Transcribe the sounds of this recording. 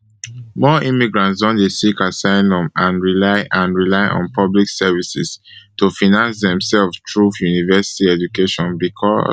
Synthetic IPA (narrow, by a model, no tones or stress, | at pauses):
mɔʔĩmiɡɹãntsdɔ̃ndesikasãɪ̃nɔ̃mãnɹilaɪʔãnɹilaɪʔɔ̰̃npʰɔbliksɛvisḭstufinãnsðɛ̃msɛlftʰɹufjunivɛsi̥tiɛd͡ʒukeʃɔ̃nbikʰɔ̰